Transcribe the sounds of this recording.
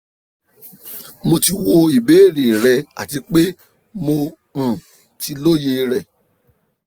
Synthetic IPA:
mo˧ti˧wo˧i˨be˨˦˨ɾe˨ɾɛ˨a̰˨ti˧k͡pe˦ | mo˧ | ũ˨ | ti˧lo˦je˧ɾɛ˨

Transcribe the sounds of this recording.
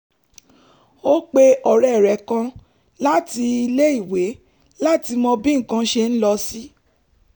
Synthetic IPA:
o˦k͡pe˧ɔ˨ɾɛ˨ɾɛ˨˦kã˧ | la˦ti˧i˧le˦i˦˨we˨˦ | la˦ti˧mɔ̃˧bĩ˦ŋ̩˨kã˧˦ʃe˧n̩˦lɔ˧si˦

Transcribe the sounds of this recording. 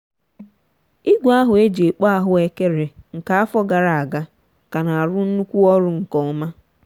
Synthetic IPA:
i˦ɡʷa˦ɦʊ˨e˦d͡ʒe˨k͡pa˦a˦ɦʊ˨e˦ke˦ɾe˨ŋ̩˨ka˨a˦fɔ˦ɡa˨ɾa˨a˨ɡa˦ | ka˨na˨a˨ɾʊ˦n̩˦nu˦kʷu˦ɔ˦ɾʊ˦ŋ̩˨kɔ˨˦ma˦

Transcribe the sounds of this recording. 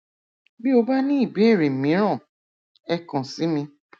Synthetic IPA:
bi˦o˧ba˦nĩ˦i˦˨be˨˦e˦˨ɾe˨mĩ˨˦ɾ̃ã˦˨ | ɛ˧kã˨si˨˦mĩ˧

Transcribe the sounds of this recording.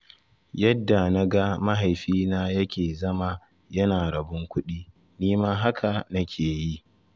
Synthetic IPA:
jɐ˦dːa˨na˦ɡa˦ma˦ɦa˨jɸiː˦naː˦jɐ˦kʲeː˨zɐ˦ma˦˨ | jɐ˦naː˨ɽɐ˨bʊ˦ŋkʷʊ˦ɗiː˦ | niː˦ma˦ɦa˦kʰa˨nɐ˦kʲʰeː˨ji˦

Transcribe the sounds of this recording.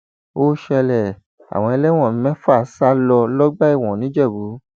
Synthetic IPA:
o˦ʃɛ˧lɛ˨ | a̰˨w̃ɔ̃˧ɛ˧lɛ˦w̃ɔ̃˦˨m̩˦mɛ̃˦fu˦a˦˨sa˦lɔ˧lɔ˦ɡ͡ba˦i˦˨w̃ɔ̃˨nĩ˨˦d͡ʒɛ˦˨bu˨˦

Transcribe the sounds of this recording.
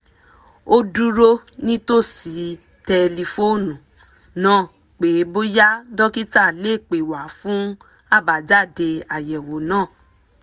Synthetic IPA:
o˧du˦ɾo˦nĩ˦to˦˨si˨˦ | tɛ˧li˧fo˦˨nũ˨ | nãː˦˨ | k͡pe˨˦bo˦ja˦dɔ˦ki˦ta˦˨le˦˨k͡pe˨wa˨˦fũ˦ | a˦˨ba˨˦d͡ʒa˦˨de˧a˨jɛ˨wo˨˦nãː˦˨

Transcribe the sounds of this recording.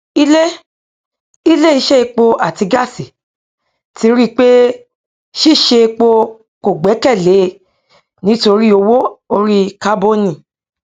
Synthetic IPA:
i˦le˦ | i˦le˦i˧ʃɛ˦i˧k͡po˧ʔa˨ti˧ɡa˦˨si˨ | ti˨˧˦ɾi˦˨k͡pe˦ | ʃi˦˨ʃe˧k͡po˧ | ko˨ɡ͡bɛ˨˦kɛ˦˨le˨˦ | nĩ˦to˧ɾi˦o˧wo˦o˧ɾi˦ka˦bo˦nĩ˦˨

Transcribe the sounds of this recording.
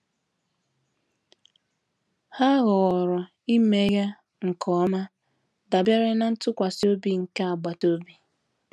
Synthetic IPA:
ha˦ɣʊ˨ɣɔ˨ɾɔ˨ | i˦me˦ɣa˦ | ŋ̩˨kʰɔ˦ma˦ | da˨bja˦ɾɪ˦na˦n̩˦tʊ˦kʷa˨so˦bi˦ŋ̩˨ka˦a˨ɡ͡ba˨to˦bi˨

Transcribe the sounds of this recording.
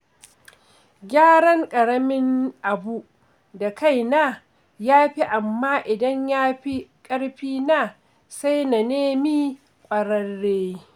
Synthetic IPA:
ɡʲaː˦ɽɐ˦ŋkʼɐ˨ɽɐ˦mɪ˦ŋʔa˨bu˦ | da˨ka˦˨jnaː˦˨ | jaː˦ɸi˦ʔa˨mːaː˦ʔɪ˨dɐ˦ɲjaː˦ɸi˦kʼɐ˦ɽɸiː˦naː˦˨ | sa˦jna˨neː˦miː˦ | kʷʼɐ˨ɽɐ˦rːeː˦

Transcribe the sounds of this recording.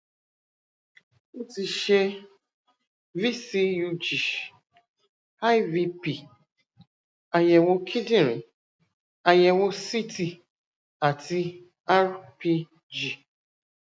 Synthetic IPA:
u˦ti˨ʃe˦ | vi˦si˦ju˦d͡ʒi˨ | a˦jvi˦pi˨ | a˨jɛ˨wo˦kʰi˦dĩ˦ɾi˨ | a˨jɛ˨wo˦si˦ti˧ | a˨ti˦ | a˦ɾpi˦ | d͡ʒi˨

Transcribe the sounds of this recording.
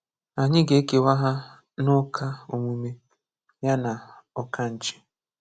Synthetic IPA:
a˨ɲɪ˦ɡe˨˦ke˨wa˦ɦa˦ | nʊ˦kʰa˦o˨mu˦me˦ | ja˦na˨ | ɔ˨ka˦n̩˨t͡ʃɪ̥˨

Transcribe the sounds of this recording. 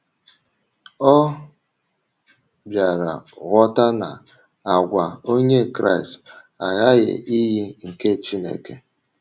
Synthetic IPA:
ɔ˦ | bja˨ɾa̰˨ɣɔ˦ta˦na̰˨ | a˨ɡʷa˨o˦ɲe˦˨kɾa̰˦˨i˨st | a˨ɣa˦ɣɪ̰˨ʔi˦ɦi˦ŋ̩˨ke˦˨t͡ʃi˦nḛ˨ke˨

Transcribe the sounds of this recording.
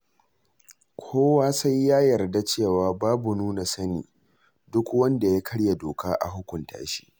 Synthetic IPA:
kʷʰoː˦waː˦sa˦jːaː˦jɐ˨rda˦t͡ʃeː˦˨waː˨baː˦bu˨nuː˦na˨sɐ˦nḭː˨ | dʊ˦kwɐ˦nda˨ja˦kʰɐ˦ɽja˨doː˨kʰaː˦ʔa̰˨ɦʊ˦kʷʊ˨ntʰa̰ː˦ʃi̥̰˦ʔ

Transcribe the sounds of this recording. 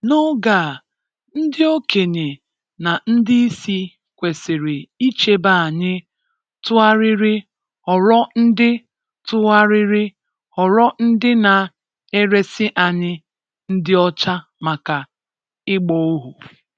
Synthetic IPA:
nɔ˦ɡa˨ | n̩˦dɪ˦o˦ke˨ɲe˨ | na˨n̩˦dɪ˦i˦si˦ | kʷe˨sɪ˨ɾɪ˨i˦t͡ʃe˦ba˦˨a˨ɲɪ˦ | tʊ˦a˦ɾɪ˦ɾɪ˦ | ɔ˨ɾɔ˦n̩˦dɪ˦ | tʊ˦a˦ɾɪ˦ɾɪ˦ | ɔ˨ɾɔ˦n̩˦dɪ˦na˨ | e˦ɾe˦sɪ˦ʔa˨ɲɪ˦ | n̩˦dɪ˦ɔ˦t͡ʃa˦ma˨ka˨ | ɪ˦ɡ͡bɔ˦o˦ɦu˨

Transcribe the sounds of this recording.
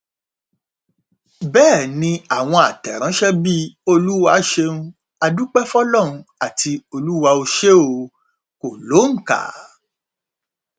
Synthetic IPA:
bɛː˦˨nĩ˧a˦˨w̃ɔ̃˧a˨tɛ˨ɾ̃ã˨˦ʃɛ˦bi˦o˧lu˦wa˧ʃe˧nũ˦ | a˧du˦k͡pɛ˦fɔ˦lɔ˦˨ɾũ˧a˨ti˧o˧lu˦wa˧o˧ʃe˦o˧ | ko˨lo˨˦ŋ̩˨ka̰˨

